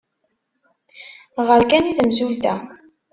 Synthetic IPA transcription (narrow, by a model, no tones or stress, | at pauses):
ʁəɾkæniθəmsuθæ